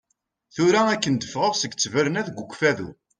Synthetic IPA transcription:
θuɾæækːənd̪əfʁəvsəɡt͡sːəvəɾənæðɡʷːuɡʷfæðṵ

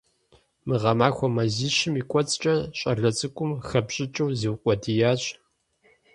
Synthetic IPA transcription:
mɨʁɐmaːxʷɔmɐziːɕɪmiːkʷʼɔt͡sʼt͡ʃʼɐɕʼɐrɮɐt͡sʼɨkʷʼʊmxɐpɕʼɪt͡ʃʼɐwziwqʷʼɔdijaːɕʼ

